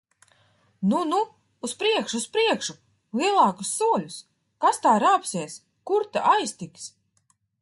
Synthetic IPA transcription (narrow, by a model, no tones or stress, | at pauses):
nunuː | spɾiɛkʃuːspɾiɛkʃu | lˠiɛlˠɑːkusːuɔlʲus | kast̪aːɾaːpsiɛs | kuɾt̪aʔajst̪iks